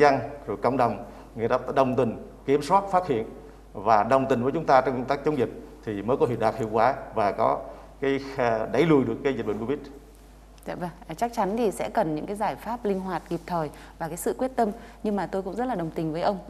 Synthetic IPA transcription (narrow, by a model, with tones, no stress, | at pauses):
a˧ŋzkə̰˧˨ŋ͡mɗə˨˩wŋ͡m | ŋi˨˩taː˧˦˥ɗə˨˩wŋ͡mt̪ï˨˩ŋ | ki˨˦əmswaː˦˥t̚faː˦˥t̚hḭ˧˨ən | vaː˨˩ɗə˨˩wŋ͡mt̪ï˨˩ŋ̟vəː˨˦jt͡ɕʊ˨˦ŋ͡mt̪aː˧t͡ɕɔ˧wŋ͡mkə˧ŋ͡mt̪aː˦˥k̚t͡ɕə˨˦ŋ͡mzi˨˩t̚t̪ʰi˨˩məː˨˦jkɔ˨˦ɦi˨˧˩ɗaː˨˩k̚hḭ˧˨wkwaː˨˦vaː˨˩kɔ˨˦ | kaː˨˦jɗa˨˦jlu˨˩jɗɨ˨˩əkːaː˨˦jzi˨˩ɓə˨ŋku˧˦vi˦˥t̚ | za̰ː˧˨və˧˩ŋ˨˩t͡ɕa˦˥k̚t͡ɕa˨˦nt̪ʰi˨˩sɛ̰˧˥kə˨˩nɲɨ̰˧˥ŋkaː˨˦jzaː˧˩jfaː˦˥p̚lï˧ŋ̟ɦwaː˨˩t̚ki˨˩p̚t̪ʰəː˨˩j | vaː˨˩kaː˨˦jsɨ̰˧˨kwi˦˥ət̚t̪ə˧m | ɲɨ˧ŋmaː˨˩t̪o˧jkʊ̰˧˥ŋ͡mzə˦˥t̚laː˨˩ɗə˨˩wŋ͡mt̪ï˨˩ŋ̟vəː˨˦ʔə˧wŋ͡m